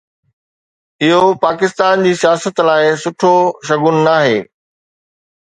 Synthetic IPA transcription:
ɪɦopaːkɪst̪aːnd͡ʑiːsijaːsət̪laːɪsʊʈʰoʃɐɡʊnnaːɦeː

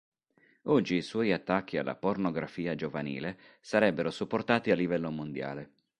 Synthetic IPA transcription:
ɔd͡ʒːiːswɔːjat̪ːakːia̰lːa̰pornoɡɾafiːad͡ʒovanḭːle | saɾɛbːeɾosupːort̪aːt̪ialːivɛlːomond̪ja̰ːle

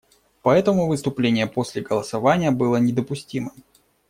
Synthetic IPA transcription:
pɐɛt̪əmʊvɨst̪ʊplʲenʲɪjəpo̞sʲlʲɪɡəlˠəsɐvanʲɪjəbɨlˠənʲɪd̪əpʊsʲtʲimɨm

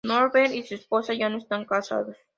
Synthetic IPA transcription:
noɾbenisusposajanust̪aŋkasa̰ðo

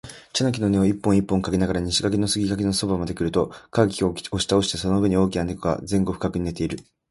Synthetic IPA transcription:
t͡ɕanak̬ʲino̞ne̞oipːõɰ̃ipːõ̞ŋkaɡe̞naɡaɾaɲ̟iɕiɡakeno̞sɨɡʲiɡakeno̞so̞bamad̪e̞kiɾɯ̟t̪o̞kakʲiooɕi̥t̪ao̞ɕi̥t̪eso̞noɯe̞ɲ̟io̞ːkʲinane̞koɡa̰zẽ̞ŋɡo̞ɸɯ̟̥kakɯ̟ɲ̟ine̞t̪e̞iɾɯ̟

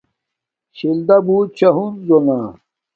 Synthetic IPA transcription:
ɕild̪ɐbuːt͡ɕʰɐɦunzonaː

